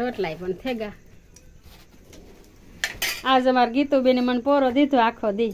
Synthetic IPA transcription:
oʈlajpɔnt̪ʰeɡa | azəmaɾɡit̪ubinimanpɔɾɔd̪it̪ʰuakʰɔd̪i

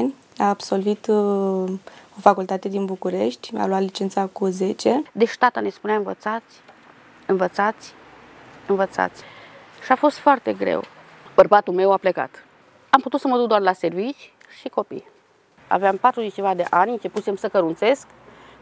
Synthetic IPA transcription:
nʲ | aːbso̞lvit̪ | o̞fakult̪at̪e̞d̪inbukuɾe̞ʃt̪ʲa̰lwat̪lit͡ʃent̪sakuze̞t͡ʃed̪eʃt̪at̪ane̞spuneaɨnvə̰t̪sat̪sʲ | ɨnvət̪sat̪sʲ | ɨnvət̪sa̰t̪sʲ | ʃiafo̞st̪foart̪e̞ɡɾḛw | b̥ərbat̪ulme̞wapleka̰t̪ | amput̪ut̪səməd̪uk̚d̪oarlase̞rvit͡ʃʲ | ʃiko̞pḭj | a̰veampat̪ɾuzet͡ʃʲevad̪e̞ʔanʲɨnt͡ʃe̞pusemsəkəɾunse̞sk

